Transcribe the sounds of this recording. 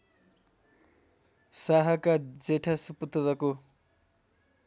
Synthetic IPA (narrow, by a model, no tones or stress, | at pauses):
saɦʌkad͡zeʈʰasuput̪ɾʌko